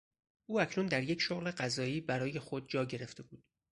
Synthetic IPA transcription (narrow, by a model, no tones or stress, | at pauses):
ʔuːæcʰnund̪æɾje̞cʰʃoɣle̞ɢæzɒːiːbæɾɒːje̞xo̞d̪̚d͡ʒɒːɟe̞ɾe̞ft̪ʰe̞buːd̪̥